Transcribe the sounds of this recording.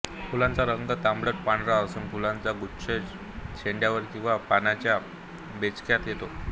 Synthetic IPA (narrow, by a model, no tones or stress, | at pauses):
pulãnt͡saɾəŋɡət̪ambɭəʈ̚paɳɾaəsuːnpulãnt͡saɡuɕʰə | ɕeɳɖjaʋəɾkĩw̃ʋapanat͡ɕja | bet͡skjat̪jet̪o